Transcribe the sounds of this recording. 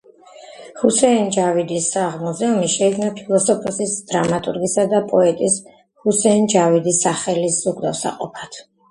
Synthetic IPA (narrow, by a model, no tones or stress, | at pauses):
husɛind͡ʒavid̪isːaʁmuzɛumiʃɛikʰnapʰilˠɔsɔpʰɔsisd̪̥ɾamat̪ʼṵɾɡisad̪apʼɔɛt̪ʼis | husɛnd͡ʒavid̪isaχɛlisz̥uɡd̪afsa̰qʼɔ̰pʰat̪ʰ